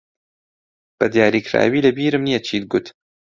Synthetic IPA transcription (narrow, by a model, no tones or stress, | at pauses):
b̥ɐd̪jaːɾiːkʰɾa̰ːwiːlɐbiːɾɨmnijɐt͡ʃʰiːt̪̚ɡʊt̪